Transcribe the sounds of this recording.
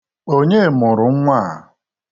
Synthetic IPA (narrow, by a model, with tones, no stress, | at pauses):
o˦ɲe˦˨mʊ˨ɾʊ˨ŋ̩˦ŋʷa˦˨